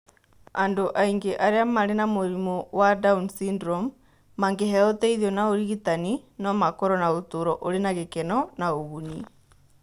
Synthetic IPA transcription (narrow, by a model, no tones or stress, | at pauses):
andoʔaiŋɡeʔaɾeamaɾenamoɾimɔwadaunsindɾɔmː | aŋɡeɦɛɔtɛiðiɔnaoɾiɣitaninɔmakɔɾɔnaotoɾɔʔoɾenaɣekɛnɔnaoɣuni